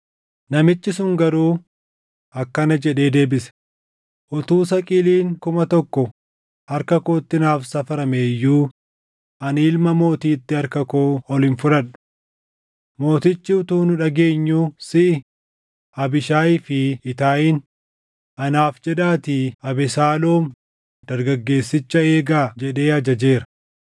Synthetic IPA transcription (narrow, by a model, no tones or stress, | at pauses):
nɐmɪt͡ʃːɪsʊŋɡɐɾuː | ɐkːɐnɐd͡ʒɛᶑe̞ːd̪e̞ːbɪsɛ̥ | ʔɔt̪uːs̬ɐkʼiːliːŋkʊmɐt̪ɔkːɔ | hɐɾkɐko̞ːt̪ːɪnaːfsɐfɐɾɐmeːjːuː | ʔɐniːlmɐmo̞ːt̪iːt̪ːɪhɐɾkɐko̞ːɔlɪnfʊɾɐᶑʊ̥ | mo̞ːt̪ɪt͡ʃːɪʊt̪uːnʊᶑɐɡe̞ːɲːuːsɪʔɪ | ɐbɪʃaːɪfɪɪt̪aːʔɪn | ʔɐnaːfd͡ʒɛd̪aːt̪iːɐbɛsaːloːm | d̪̥ɐɾɡɐɡːe̞ːsːɪt͡ʃːɐe̞ːɡaːd͡ʒɛᶑe̞ːhɐd͡ʒɐd͡ʒe̞ːɾɐ̥